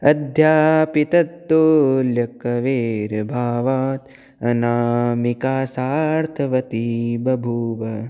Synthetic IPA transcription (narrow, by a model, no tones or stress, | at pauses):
ɐd̪ʱjaːpit̪ɐt̪ːoljɐkɐʋeːɾɐbʱaːʋaːt̪ | ɐnaːmikaːsaːɾt̪ʰɐʋɐt̪ibɐbʱuːʋɐ